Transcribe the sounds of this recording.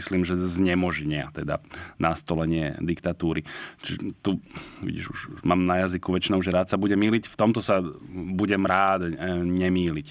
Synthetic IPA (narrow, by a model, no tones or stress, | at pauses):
isliːmʒɛzɲɛmɔʒɲɪa̰t̪ɛd̪a̰nʔast̪ɔlɛɲɪɛ̰d̪ikt̪at̪uːɾit͡ʃiɛt̪uʋḭɟḭʒṵʒmaːmnajazikuʋɛt͡ʃinɔʊʒɛɾaːt̪sabuɟɛmiːlicft̪ɔmt̪ɔsabuɟɛmɾaːd̪ɲɛmiːlic